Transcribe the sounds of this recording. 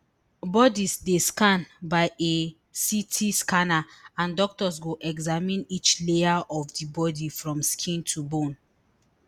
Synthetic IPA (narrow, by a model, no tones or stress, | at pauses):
bɔdisdeskãnbaɪʔe | sitʰiskanaãndɔk̚tɔsɡoʔɛɡzamĩnit͡ʃleaʔɔfdibɔdifɹɔ̃mskʰĩntʰubõn